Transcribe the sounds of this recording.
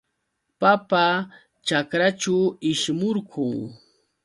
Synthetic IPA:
papa | t͡ʃakɾat͡ʃʊɪʃmʊɾkʰʊŋ

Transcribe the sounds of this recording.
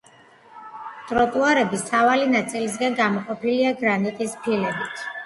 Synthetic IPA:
t̪ʼɾɔt̪ʼuaɾɛbisʰavalinat̪sʼilis̬ɡanɡamɔqʼɔpiliaɡɾanit̪ʼispʰilɛbit̪ʰ

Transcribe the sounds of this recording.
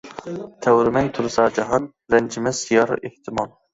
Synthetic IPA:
t̪ʰɛwɾɪmɛjt̪ʰʊɾsɑːd͡ʒɑɦɑn | ɾɛnd͡ʒɪmɛsijɑɾ̰ʔeht̪ʰɪmɑlˠ

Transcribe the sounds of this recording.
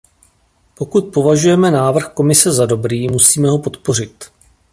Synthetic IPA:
po̞kut̪̚po̞vaʒujɛmɛnaːvr̩xko̞mɪsɛzado̞bɾiːmusiːmɛɦopo̞t̪po̞r̝ɪt̪

